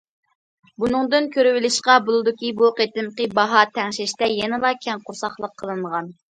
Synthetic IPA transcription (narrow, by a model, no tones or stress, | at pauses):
bunɨŋd̪ɨnkʲʰøɾɪwɪlɪʃqɑbolˠɨd̪ɨkʲibuqʰet̪ɪmqəbɑɦɑt̪ʰɛŋʃɪʃt̪ɛjɛnɪlˠɑkʲʰɛnqʰʊɾsɑχlˠəqʰːəlˠɨɴʁɑn